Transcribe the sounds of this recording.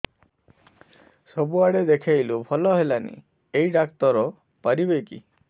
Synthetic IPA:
sobuaɽed̪ekʰajlupʰɔlɔɦelanḭ | ejɖakt̪ɔɾɔ | paɾibejkḭ

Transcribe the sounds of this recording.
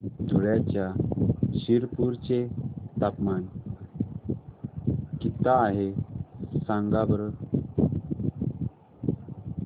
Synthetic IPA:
d̪ʱuɭjat͡ɕjaɕiɾpuɾt͡ɕet̪apman | kit̪aːɦe | sãŋɡabɾə

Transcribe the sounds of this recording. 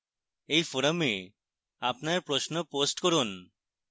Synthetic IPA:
ejfoɾame | apnaɾpɾosnoposʈkoɾun

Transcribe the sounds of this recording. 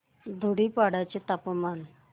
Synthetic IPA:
d̪ʱuɽiːpaɽajt͡ɕet̪apman

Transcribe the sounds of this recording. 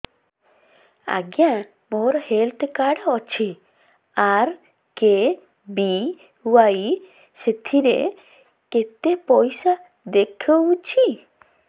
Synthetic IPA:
a̰ɡja | moɾhelt̪ʰkaɽɔt͡ʃʰi | aɾ | ke | bi | waj | set̪ʰiɾḛ | ket̪epɔjsa | d̪ekʰəut͡ʃʰi

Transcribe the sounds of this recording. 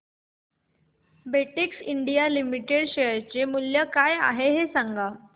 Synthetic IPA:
beʈiksiɳɖijalimiʈeɽɕeəɾt͡ɕemuljəkaja̰ɦeɦesaŋɡa

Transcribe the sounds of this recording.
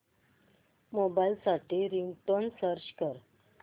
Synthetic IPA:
mobajlsaʈʰiɾiŋʈ̪onsəɾt͡ɕkəɾ

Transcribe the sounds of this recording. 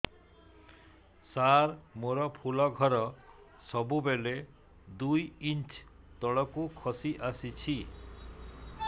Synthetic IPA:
saɾmoɾɔpʰulɔɡʱɔɾɔ | sɔbubele | d̪ujint͡ʃ | t̪ɔɭɔkukʰɔsiʔasit͡ʃʰi

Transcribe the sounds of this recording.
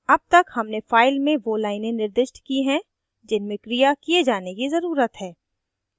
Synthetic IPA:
ɐb̚t̪ɐkhɐmnefaːɪlmẽʋolaːɪnẽnɪɾd̪ɪʃʈkiɦɛ̃ | d͡ʒɪnmẽkɾijakijed͡ʒaːnekizɐɾuːɾət̪ɦɛː

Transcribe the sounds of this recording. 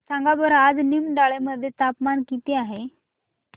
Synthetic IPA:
sãŋɡabəɾad͡znimɖaɭeməd̪ʱːjet̪apmankit̪iaɦe

